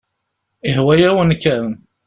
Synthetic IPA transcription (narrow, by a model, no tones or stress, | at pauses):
ihwæjæwənkːæn